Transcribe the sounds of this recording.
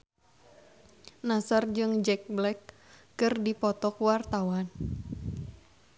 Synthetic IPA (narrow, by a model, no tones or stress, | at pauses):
nasard͡ʒɨŋd͡ʒɛk̚blɛkː | ɨrdipɔt̪ɔkwart̪awan